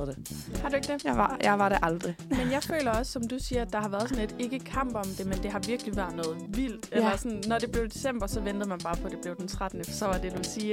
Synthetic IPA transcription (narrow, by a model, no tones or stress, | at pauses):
hɑ̈d̥ueɡ̥d̥eɑjɑ̈ɪʋɑ̈ɾeʔɑ̈ld̥ʁimenjɑ̈ɪfø̰ːlɐɒ̽sːɒ̽md̥usiːɐæd̥ɑ̈ɦɑ̈ʋæɐðˠsɒ̽ne̝d̥e̝ɡ̥əkʰɑm̰b̥ɒ̽md̥e̝mend̥e̝ɦɑ̈ʋiɐɡ̥liʋæɐ̰ðˠnɔ̽ːð̞̩ˠʋil̰̥elɐsɒ̽nnːɒd̥e̝b̥le̝ʊd̥esem̰b̥ɐsɒ̽ʋend̥ð̩ˠmænb̥ɑ̈ːpʰɒ̽d̥e̝b̥le̝ʊd̥ent͡sʰʁad̥n̩əfɒsɒ̽ʋɑ̈d̥e̝d̥usiː